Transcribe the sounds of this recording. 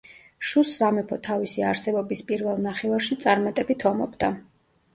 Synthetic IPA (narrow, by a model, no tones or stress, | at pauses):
ʃusːamɛpʰɔt̪ʰavisiaɾsɛbɔbispʼiɾvɛlˠnaχɛvaɾʃit̪sʼaɾmat̪ʼɛbit̪ʰɔmɔ̰bd̪a